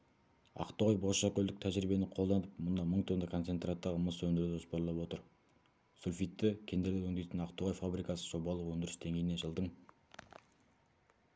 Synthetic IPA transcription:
ɑ̰qt̪əʁojboʃɑkʲɵld̪ɪk̚t̪ʰæʒɾibe̞nɪqʰo̞lˠd̪ɑnəp̚mʊnd̪ɑməɴt̪ʰonɑkʰo̞nt̪e̞nt̪rat̪ːəʁəməswɵnd̪ɪɾd̪ɪʒʊspɑɾlˠɑpwo̞t̪əɾ | sulfijt̪ːɪkʲʰe̞nd̪e̞ɾd̪ewɵŋd̪e̞jt̪ənɑqt̪əʁojfabɾijkɑsəʒ̥o̞bɑlˠəqwɵnd̪ɪɾɪsd̪e̞ŋɡʲejɪneʒəlˠd̪əɴ

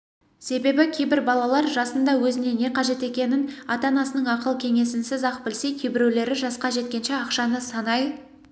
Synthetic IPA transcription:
se̞be̞bɪkʲʰejbɪɾbɑlˠɑlˠɑɾʒɑsənd̪ɑwɵzɪne̞ne̞qʰɑʒe̞t̪e̞kʲe̞nɪnɑt̪ɑnɑsənəɴɑqəlˠkʲʰe̞ŋe̞sɪnsɪzɑq̚bɪlse̞jk̪ʲʰejbɪɾewle̞ɾɪʒɑsqɑʒe̞t̪kʲe̞nʃe̞ɑqʃɑnəsɑnɑj

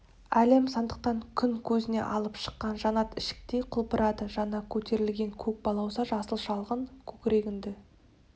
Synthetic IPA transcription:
æle̞msɑnd̪əq̚t̪ɑŋkʲʰʏŋkʲʰɵzɪne̞̰ʔɑlˠəpʃə̥qːɑnʒɑnɑt̪ɪʃɪ̥k̚t̪e̞jqʰʊlˠpəɾɑd̪əʒɑnɑkʲʰɵt̪e̞ɾɪlɡʲe̞ŋkʲʰɵk̚bɑlˠɑwsɑʒɑsəlˠʃɑlˠʁəŋkʲʰɵkʲɾe̞ɡʲɪnd̪ɪ

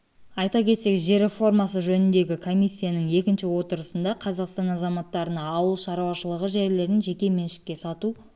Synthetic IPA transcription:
ɑjt̪ɑkʲʰe̞t̪se̞kʲʒe̞ɾe̞fo̞rmɑsəʒɵnɪnd̪e̞ɡʲɪkʰo̞mʲijsʲːijanəŋe̞kʲɪnʃɪwo̞t̪əɾəsənd̪ɑqʰɑzɑqst̪ɑnɑzɑmɑt̪ːɑɾənɑːwəlˠʃɑɾuwɑʃəlˠəʁəʒe̞ɾle̞ɾɪnʒe̞kʲe̞me̞nʃɪ̥kʲːe̞sɑt̪u

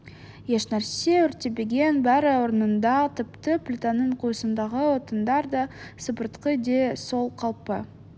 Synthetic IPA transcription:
je̞ʃnæɾse̞ʏɾt̪ebeɡʲe̞nbæɾwo̞ɾənənd̪ɑt̪ʰɪpt̪əplʲɪt̪anːəɴqʰujəsənd̪ɑʁəwo̞t̪ənd̪ɑɾd̪ɑsəpəɾt̪qəd̪eso̞lˠqʰɑlˠpə

